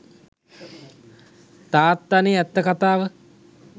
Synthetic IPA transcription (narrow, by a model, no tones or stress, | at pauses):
t̪aːt̪ːaneɛt̪ːəkat̪aːʋə